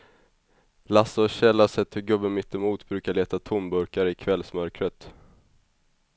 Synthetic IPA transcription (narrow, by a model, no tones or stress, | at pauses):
lasəɕɛlːasɛt̪ːhɵɡɵbːənmɪt̪ːɪmuːt̪bɾʉ̟ːkaɭeːt̪at̪ʰʊmbɵɾkaɾəɪkʰvɛlsmœɾkɾət̪